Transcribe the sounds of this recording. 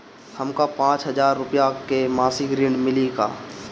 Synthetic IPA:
hɐmkapãːt͡ʃɦɐzaːɾːʊpjakemaːsiɡɾiːɳmɪliɡa̰ː

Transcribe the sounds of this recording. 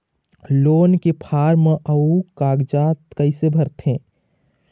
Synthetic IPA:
loːnkepʰaːɾməʔəukaːɡd͡ʒaːt̪kəɪsebʱəɾt̪ẽː

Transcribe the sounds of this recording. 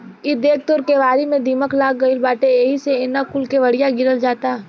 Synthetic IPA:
ɪd̪eːk̚t̪oːɾkeʋaːɾimẽd̪iməklaːɡəilbaːʈeeɦiseɪnakʊlkeʋɐɽijaɡɪɾəld͡ʒaːt̪a

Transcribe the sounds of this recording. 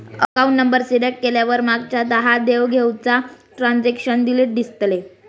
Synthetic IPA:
əkaũɳʈnəmbəɾsiɽekkeljaʋəɾmaɡt͡ɕad̪əɦad̪eʋɡʱewt͡sa | ʈɾand͡zekɕənɖ̪iliːʈ̚d̪ist̪le

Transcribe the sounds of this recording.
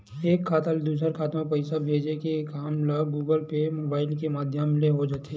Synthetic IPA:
eːkʰːaːt̪ald̪uːs̬əɾkʰaːt̪õpɐɪsabʱeːd͡ʒekekaːmləɡuːɡəlpemoːbaːɪlkemaːd̪ʱjəmleɦod͡ʒaːt̪e

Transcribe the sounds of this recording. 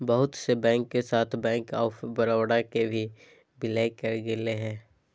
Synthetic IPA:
bɐɦʊt̪sebɛ̃ːŋkːesaːt̪ʰbɛ̃ːŋkɔːfbɐɾaːwɽakebʱi | bɪlajkɐɾɡɪleɦɛ̃ː

